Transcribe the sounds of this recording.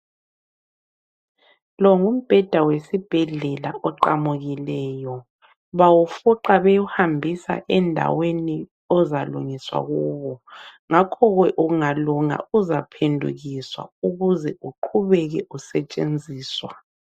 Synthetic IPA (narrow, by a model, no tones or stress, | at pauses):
lɔŋum̩b̥ʱɛd̥ʱawesib̥ʱɛɮɛlaʔɔǃamuɣilɛːjɔ | βawufuǃaβɛjuhambʱisa̰ʔɛndʱa̰weni | ɔzalṵŋiswa̰ɣuːβɔŋakʰɔɣwɛʔuŋaluŋa̰uzapʰendʱṵɣiswa̰uɣuzɛʔuǃʰuβɛɣɛʔusɛt͡ʃʼend͡zʱiːswa̰